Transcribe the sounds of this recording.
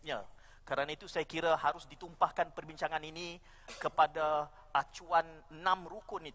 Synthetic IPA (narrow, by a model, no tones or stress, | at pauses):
ja | kəɾanait̪usajakiɾahaɾʊsdit̪umpahkanpərbiɲt͡ʃaŋaninĩ | kəpada | at͡ʃuanənãmɾukʊnit̪u